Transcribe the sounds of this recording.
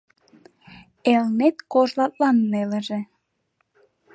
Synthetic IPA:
elnet̪koʒlɑt̪̚lɑnːelə̆ʒĕ

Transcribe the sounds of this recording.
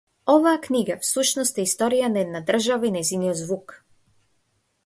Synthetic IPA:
ɔvaːkniɡafsuʃnɔst̪ɛist̪ɔɾijanɛd̪nad̪r̩ʒavainɛjzinijɔd̪zvuk

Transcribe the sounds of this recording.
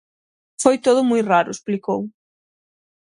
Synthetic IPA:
fojt̪oðʊmujraɾʊesplikow

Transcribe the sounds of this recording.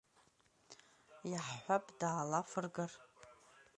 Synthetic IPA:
jaħħʷapʼdaːlafɨrɡar

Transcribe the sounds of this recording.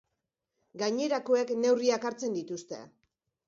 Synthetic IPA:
ɡaɲe̞ɾako̞e̞kne̞wriakaɾt͡se̞nd̪it̪ust̪e̞̰

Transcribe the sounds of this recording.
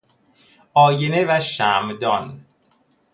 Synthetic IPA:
ʔɒːjenevæʃæːmd̪ɒn

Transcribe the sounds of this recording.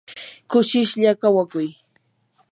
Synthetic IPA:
kʊʃɪʃʎakawakʊj

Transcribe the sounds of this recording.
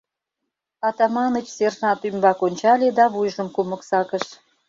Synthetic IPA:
ɑt̪ɑmɑnət͡ɕserʒɑt̪ymbɑkonʲt͡ɕɑlʲed̪ɑβujʒə̆mkumə̆ksɑkəʃ

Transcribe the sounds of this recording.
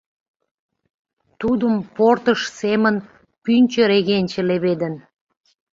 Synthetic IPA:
t̪ud̪əmport̪əʃsemən | pynʲt͡ɕə̆ɾeɣenʲt͡ɕə̆leβed̪ən

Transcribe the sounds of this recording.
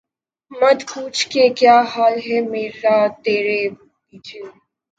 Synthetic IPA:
mɐd̪kuːt͡ʃʰkekjaːɦaːlɦɛmeːɾaːt̪eːɾe | biːd͡ʒeː

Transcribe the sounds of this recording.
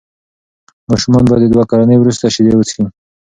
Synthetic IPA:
mɑʃʊmɑnbad̪əd̪wakaɾanəjwɾust̪aʃid̪ewət͡si

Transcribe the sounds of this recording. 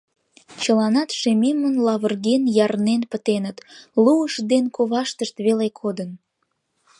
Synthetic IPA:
t͡ɕəlɑnɑt̪ʃememənlɑβərɣenjɑrnenpət̪enət̪luəʃd̪enkoβɑʃt̪əʃt̪βelekʰod̪ən

